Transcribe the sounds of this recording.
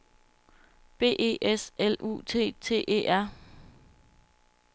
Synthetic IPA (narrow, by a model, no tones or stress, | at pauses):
b̥e̝̰ːʔe̝̰ːʔeselṵːt͡sʰe̝̰ːt͡sʰe̝̰ːʔe̝̰ːʔæɐ̰